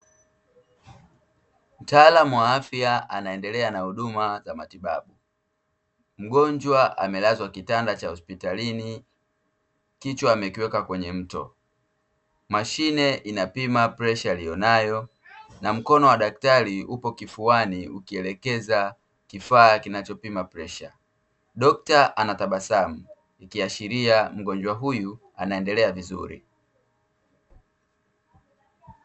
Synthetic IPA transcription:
m̩taːlamuwaafjaa̰naɛndɛlɛanahuɗumazamatiɓaɓu | m̩ɡɔɲd͡ʒwaʔa̰mɛlazwakitandat͡ʃahɔspitalini | kit͡ʃwaːmɛkiwɛkakwɛɲɛm̩tɔ̰ | maʃinɛʔinapimapɾɛʃalijɔnajɔ | nam̩kɔnɔwaɗak̚taɾiupɔkifuwaniukiɛlɛkɛza | kifaːkinat͡ʃɔpimapɾɛʃa | ɗɔk̚taʔanataɓasamu | ikiaʃiɾiam̩ɡɔɲd͡ʒwaɦuju | a̰naɛndɛlɛavizṵɾḭ

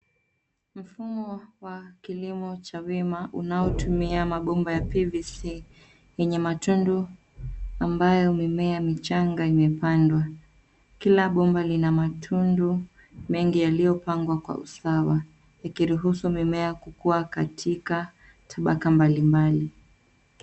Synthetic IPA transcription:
m̩fumɔwakilimɔt͡ʃawimaʔunaɔtumiamaɓɔmbajapivisi | jɛɲɛmatundu | ambajɔmimɛamit͡ʃaŋɡaimɛpandwa | kilaɓɔmbalinamatʰundu | mɛŋɡijalijɔpaŋɡwakwa̰ṵsawa | jakiɾuɦusumimɛakukuakatʰika | tʰaɓakambalimbali

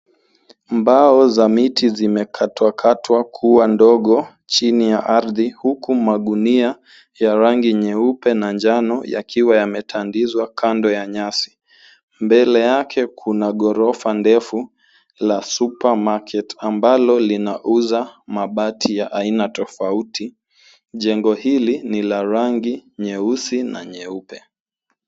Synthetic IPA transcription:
mbaɔzamitʰizimɛkʰatwakʰatwakʰuwandɔɠɔ | t͡ʃinijaʔaɾðihukumaɠunia | jaɾaŋɡiɲɛupɛnaɲd͡ʒanɔja̰kʰiwajamɛtʰandizwakʰandɔjaɲasi̥ | mbɛlɛjakʰɛkʰunaɠɔɾɔfandɛfu | lasupamakʰɛtambalɔlinaʔuzamaɓatʰijaʔainatɔfauti | ʄɛŋɡɔhilinilaɾaŋɡiɲɛusina̰ɲɛupɛ

